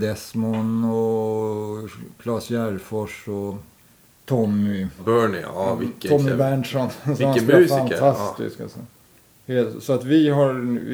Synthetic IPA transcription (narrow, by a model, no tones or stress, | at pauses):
d̪ɛsmɔnɔ | kʰlɑːsjæɾfɔʂɔ | t̪ʰɔmːʏbœɳɪ̰vɪt̪ːʰɔmːɪbæɳʂɔnsɔmasfant̪ʰast̪ɪ̰ska̰sɔ̰ | hesɔat̪vɪɦaɾ